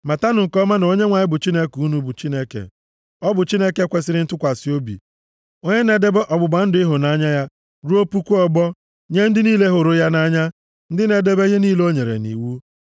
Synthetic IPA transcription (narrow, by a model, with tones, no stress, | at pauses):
ma˨ta˦nʊ˨ŋ̩˨kɔ˦ma˦n˨o˦ɲe˦ŋʷa˨ɲɪ˦bʊ˨t͡ʃi˦ne˦ku˦nu˦bu˨t͡ʃi˦ne˦kḛ˨ | ɔ˦bʊ˨t͡ʃi˦ne˦ke˦kʷe˨sɪ˦ɾɪ˦n̩˦tʊ˦kʷa˨si˨˦o˦bḭ˨ | o˦ɲe˦ne˨de˦be˦ʔɔ˨ɡ͡bʊ˨ɡ͡ba˨n̩˦dʊ˨˦ɪ˦ɦʊ˨na˦ɲa˦ja˦ | ɾu˦o˦pu˦kʷu˦ɔ˨ɡ͡bɔ˦ | ɲe˦n̩˦dɪ˦niː˦le˦ɦo˨ɾʊ˦ja˦na˦ɲa˦ | n̩˦dɪ˦ne˨de˦be˦ɣe˦niː˦lo˦ɲe˨ɾḛ˨nḭ˨wu˦